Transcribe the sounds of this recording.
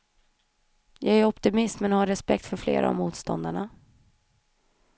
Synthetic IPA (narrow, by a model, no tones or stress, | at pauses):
jɑːɡæɾɔpt̪ɪmɪst̪mɛnhaɾːɛspɛk̚t̪fœɾflḛːɾʔa̰ɔ̰vmuːt̪st̪ɔnd̪aɳa